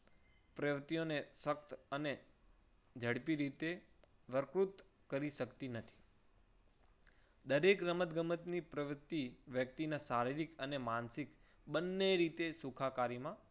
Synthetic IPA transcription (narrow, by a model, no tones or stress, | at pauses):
pɾəʋt̪ijonesək̚t̪əne | d͡ʒʱəɽpiɾit̪e | ʋəɾkɾut̪ | kəɾiʃəkt̪inət̪ʰi̥ | d̪əɾekɾəmət̪ɡəmət̪nipɾəʋt̪ːiʋjək̚t̪inasaɾiɾikənemansik | ɓənːeɾit̪esukʰakaɾimã